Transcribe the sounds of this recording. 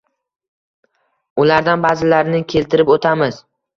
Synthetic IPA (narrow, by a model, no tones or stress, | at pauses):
ʊlaɾd̪anbazɪlaɾnɪkʲʰe̞lt̪ʰɪɾɪpot̪ʰamɪz̥